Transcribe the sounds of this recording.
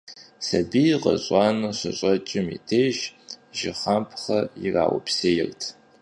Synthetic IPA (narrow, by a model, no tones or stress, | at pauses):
sɐbiqɐ̰ɕʼɑːnɐɕɐɕʼɐt͡ʃʼɪmḭtʰeːʒʒɪχampʰχɐjira̰ːwʊ̰pʰseːjɪrtʰ